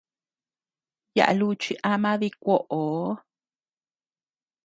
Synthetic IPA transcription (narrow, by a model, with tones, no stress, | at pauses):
ja̰˨ʔa̰˧lu˧t͡ʃi˧ʔa˧mã˦ði˧kʷo˦ʔo˨˦